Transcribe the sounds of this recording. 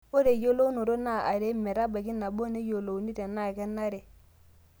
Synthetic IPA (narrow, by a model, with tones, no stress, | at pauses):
o˦ɾe˨jo˦lo˦no˨ɾo˦na˦˨a˨ɾe˨˦mɛ˨ɾa˦ba˨ɡi˦na˨bo˦ne˦jo˨lo˨u˨ni˦de˨na˦˨kɛ˦nːa˦ɾe˨